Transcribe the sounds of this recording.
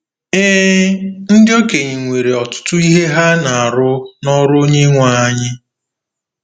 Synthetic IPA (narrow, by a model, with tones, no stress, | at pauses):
eː˦n̩˦dɪ˦o˦ke˨ɲɪ˨ŋʷe˨ɾe˨ɔ˨tʊ̥˦tʊ˦i˦ɦe˦ɦa˦na˨a˨ɾʊ˦nɔ˦ɾʊ˦o˦ɲe˦ŋʷa˨a˦ɲɪ˦